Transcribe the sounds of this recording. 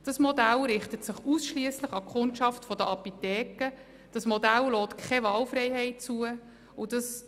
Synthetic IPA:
d̥ɑsmɔdælɾɪχtətsɪχusʃliəsləχɑkχʊntʃɑftfɔdəʔɑpitɛːkə | d̥ɑsmɔdællɔːtkʰɛvɑːlfɾɛjɦɛɪt̚t͡suə | ʊd̥ɑs

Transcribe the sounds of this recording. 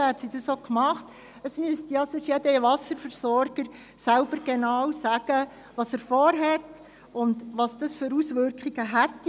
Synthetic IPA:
hɛt̪sidɑsokmɑχt | əsmyəst̪ijɑsɪʃjɛdəʋɑsəɾfəɾsɔɾɡ̥əɾ | sælb̥əɾɡ̥enɑwsæːɡ̥ə | ʋɑsəːɾfɔːɾɦɛt | ʊnd̪ʋɑsd̥̪ɑsføɾusʋʏɾkχiɡ̥əɦætː

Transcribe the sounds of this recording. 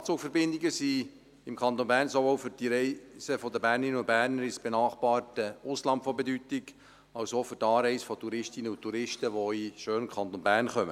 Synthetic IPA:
t͡sʊːkfəɾbɪnd̪ɪɡəsi | ɪmkʰɑnt̪onbæːɾrnsovowfʏɾd̥iɾɛɪsəfɔd̪əbæːrnɪnəʊn̚bæːrnəɾɪsb̥enɑːχb̥ɑːrtəʊslɑmtfɔbedyt̪ɪɡ | ɑwsoːfʏtɑːɾɛɪsfɔt̪uɾɪʃtɪnəʊtʰːuɾɪʃtəʋoiʃøːnəmkʰχɑnt̪onbæːrnχœmə

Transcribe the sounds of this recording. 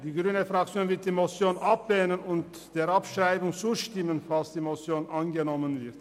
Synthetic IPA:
d̥iːɡʁyːnəfʁak̚t͡sjoːnvɪɐt̚d̥iːmot͡sjoːnʔapvɛːnənʊnt | d̥eːɐapʃʁaɪbʊŋt͡suːʃtɪmənfalsd̥iːmot͡sjoːnʔanɡənɔmənvɪʁt

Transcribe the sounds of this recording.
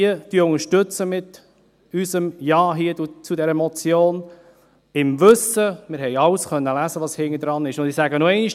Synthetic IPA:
əd̥yəʊŋəɾʃtʏt͡səmɪt̪ | ysəmjɑːɦiədut͡sudɛɾəmɔt͡sjoːn | ɪmvɵsəmɪɾɦhɛɪɑlskœnːəlæzəʋɑshɪŋːəd̪ɾɑnɪʃʊndɪsæɡənoɛɪniʃ

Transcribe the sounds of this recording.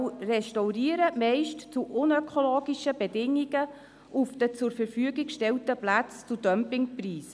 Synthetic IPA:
wrɛʃtawriːəɾəmɛɪʃtt͡suʔʊnøkʰoloːɡiʃəbɛdɪŋːiɡə | ʔufd̥ət͡sʊɾfəɾfyəɡɪkʃtɛltəplat͡st͡sudœmpɪŋpriːs

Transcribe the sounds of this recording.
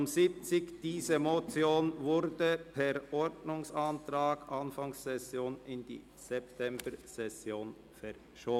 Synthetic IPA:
mzɪp̚t͡sɪkd̥iːzəmot͡sjoːnvʊɾdəpʰɛʁʔɔdnʊŋsɑntʁaːɡ̥ʔɑnfɑŋsːɛsjoːnɪnd̥ḭː | z̥ɛp̚tʰɛmbəsɛsjoːn | fɛʁ | ʃoː

